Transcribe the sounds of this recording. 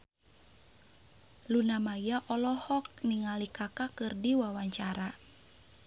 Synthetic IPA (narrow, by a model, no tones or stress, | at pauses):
lunamajaʔɔlɔhɔk̚niŋalikakakɨrdiwawaɲt͡ʃaɾa